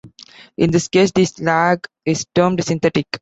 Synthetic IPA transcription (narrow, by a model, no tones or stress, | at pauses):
ʔɪ̃nd̪iskeːsd̪islæɡ | ɪzʈəːmɖsɪ̃nt̪ɛʈɪk